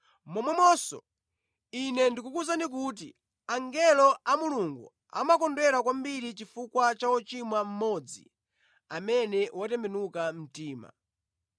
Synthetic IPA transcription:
mɔmwɛmɔsɔ̰ | inɛndikukuzandik̬ut̬ḭ | aŋɡɛlɔamuluŋɡu | a̰makɔndwɛɾak̬wambiɾit͡ʃifukwat͡ʃaɔt͡ʃimwam̩mɔd͡zḭ | amɛnɛwʔatɛmbɛnukam̩tiːma̰

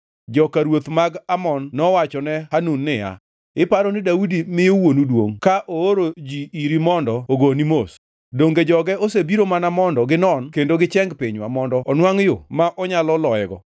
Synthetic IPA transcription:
d͡ʒɔkaɾwot̪maɡamɔnːɔwat͡ʃɔnɛhanunːɪja̰ | ɪpaɾɔnɪdaudimɪjowonudwo̰ŋkaʔooɾod͡ʒiiɾimɔndɔoɡonimos | doŋɡed͡ʒɔɡɛosebiɾomanamɔndɔɡɪnɔnkendoɡɪt͡ʃɛŋɡpiɲwamɔndɔɔnwaŋjʊmaʔɔɲalɔlɔɛɡɔ̰

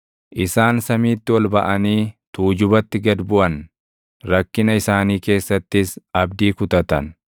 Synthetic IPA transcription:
ʔɪsaːnsɐmiːt̪ːɪwɐlbɐʔɐniːt̪uːd͡ʒʊbɐt̪ːɪɡɐd̪bʊʔɐn | ɾɐkːɪnɐɪsaːniːke̞ːsːɐt̪ːɪsɐbd̪iːkʊt̪ɐt̪ɐ̰n

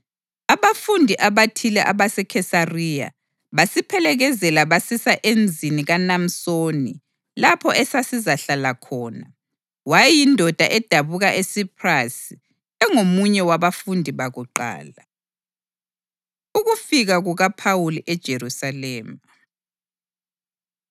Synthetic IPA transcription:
aβafundʱiʔaβatʰilɛʔaβasɛkʰɛsarija̰ | βasipʰɛlɛɣɛzɛlaβasisaʔend͡zʱiniɣanam̩sonḭ | lapʰɔʔɛsasizaɬalakʰɔːna | wajjindʱɔd̥ʱaʔɛd̥ʱaβuɣaʔesipʰrasi | ɛŋomuɲɛwaβafundʱiβaɣuǃa̰ːla | uɣufiɣaɣuɣapʰawuliʔɛd̥ʒ̥ʱerusalɛːma

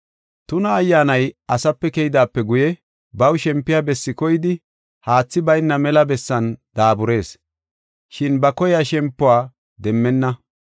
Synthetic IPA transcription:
t̪ʊnɐːjːaːnɐjɐsɐpːɛkɛjɪd̪aːpːɛɡʊjɛ | bɐwʃɛmpːɪjabɛsːɪkɔjɪd̪ɪ | haːt͡sːɪbɐjnːɐmɛlɐbɛsːɐnd̪̥aːbʊɾe̞ːs | ʃɪnbɐkɔjaʃɛmpːʊwaː | d̪ɛmːɛnːɐ

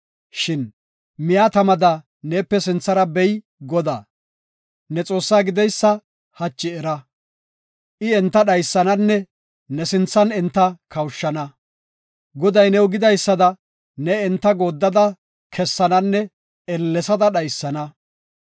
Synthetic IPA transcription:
ʃɪn | mɪjaːt̪ɐmɐd̪ɐ | ne̞ːpːɛsɪnt͡sːɐɾɐbɛj | ɡɔd̪aː | nɛt͡sʼo̞ːsːaːɡɪd̪ɛjsːɐ | hɐt͡ʃːɪɛɾɐ | ʔɪɛnt̪ːɐɗɐjsːɐnɐnːɛ | nɛsɪnt͡sːɐnɛnt̪ːɐkɐwʃːɐnɐ | ɡɔd̪ɐjnɛwɡɪd̪ɐjsːɐd̪ɐ | nɛɛnt̪ːɐɡo̞ːd̪ːɐd̪ɐ | kʰɛsːɐnɐnːɛ | ɛlːɛsɐd̪ɐɗɐjsːɐnɐ

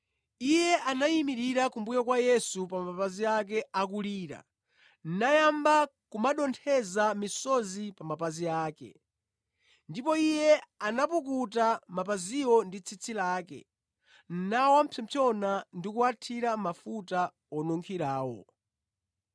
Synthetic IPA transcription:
ijɛʔanaimiɾiɾakumbujakwajɛsupamapaziak̬ɛak̬uliːɾa̰ | n̩najambakumaɗɔntʰɛzamisɔzipamapaziaːkɛ̰ | ndipɔijɛanapukut̬amapaziwɔndit͡sʰit͡sʰilaːkɛ̰ | n̩nawam̩pʰɛmt͡ʃʰɔnandikuatʰiɾamafuta | ɔnɔŋkʰiɾaːwɔ̰

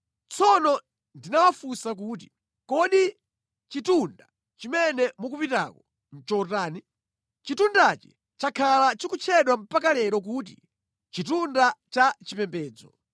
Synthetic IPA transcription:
t͡sʰɔnɔ | ndinawafusak̬uːt̬i̥ | kɔɗi | t͡ʃitunda | t͡ʃimɛnɛmukupita̰kɔ | n̩t͡ʃɔtaːni | t͡ʃitundat͡ʃɛ̥ | t͡ʃakʰalat͡ʃikut͡ʃʰɛɗwam̩pakalɛɾɔk̬uːt̬ḭ | t͡ʃitundat͡ʃat͡ʃipɛmpɛːd͡zɔ̰

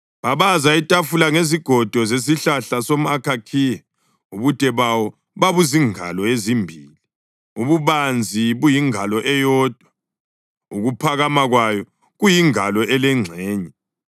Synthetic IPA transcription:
βaβazaitʼafulaŋeziɡ̥ʱɔd̥ʱɔzes̬iɬaɬasom̩akʰakʰijɛ | uβud̥ʱɛβawɔ | βaβuziŋa̰lɔezimbʱiːli | uβuβand͡zʱiβujiŋalɔʔɛjɔːd̥ʱwa | uɣupʰaɣamaɣwajɔ | ɣujiŋalɔʔɛlɛŋ͡ǀʱɛːɲɛ

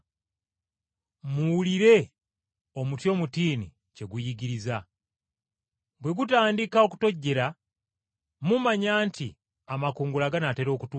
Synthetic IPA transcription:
muwuliɾe̞ | o̞mutjo̞ːmutiːni | ce̞ɡujiɡiɾiza | bwe̞ɡutaːndikao̞ku̥to̞ɟːe̞ɾa | mumaɲaːntʰḭ | amakuːŋɡulaɡanate̞ɾo̞ːkutu

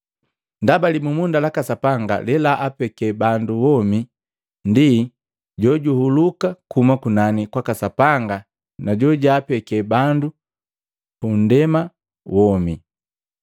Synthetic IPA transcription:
ndabalimumundalakasapaŋɡa̰lɛlaʔapɛkɛbanduwɔmi | ndi | ɟɔɟuhulukakumakunanikwakasapaŋɡa | naɟɔɟaːpɛkɛbandu | pun̩dɛma | wɔmi

